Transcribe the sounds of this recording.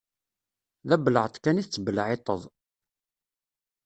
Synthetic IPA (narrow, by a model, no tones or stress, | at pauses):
ðæbləʕt̪ˤkæniθt͡sːəbəlʕet̪ˤəðˤ